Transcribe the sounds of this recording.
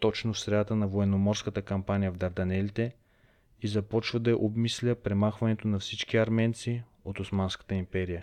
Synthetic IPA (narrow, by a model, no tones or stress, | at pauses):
t̪ɔt͡ʃnofsɾɛd̪at̪ənɐvoɛnːomɔɾskət̪əkɐmpanʲijəvd̪ɐɾd̪ɐnɛlit̪ɛ | izɐpɔt͡ʃvəd̪ɐɛʔobmislʲəpɾɛmaxvɐnɛt̪onɐfsit͡ʃkiɐɾmɛnt̪si | ot̪osmanskə̥t̪əimpɛɾijə